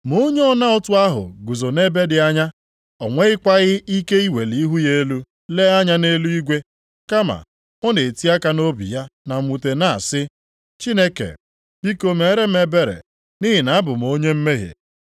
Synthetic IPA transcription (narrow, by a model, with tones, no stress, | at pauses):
mo˦ɲe˦ɔ˦na˦ɔ˦tʊ˦a˦ɦʊ̰˨ɡu˨zo˨ne˦be˦dɪ˨a˦ɲa˦ | ɔ˨ŋʷe˦ɪ˦kʷa˦ɣɪ˦i˦ke˦i˦we˨li˨i˦ɦu˦je˦lu˦ | le˦a˦ɲa˦ne˦lu˦i˦ɡʷe˦ | ka˦ma̰˨ | ɔ˦ne˨e˨ti˦a˦ka˦no˦bḭ˨ja˦na˨m̩˨˦u˨te˨na̰˦˨sɪ˦ | t͡ʃi˦ne˦kḛ˨ | bi˦ko˦me˨˦ɾe˦m̩˦e˨be˦ɾḛ˨ | ni˦ɦi˨na˨˦bʊ˨m˨o˦ɲe˦m̩˦me˦ɦḛ˨